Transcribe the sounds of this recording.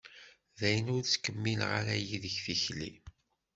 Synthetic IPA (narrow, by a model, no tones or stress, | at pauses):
ðæjənʊɾt͡skːəmːilʁa̰ɾæjiðəçθiçlḭ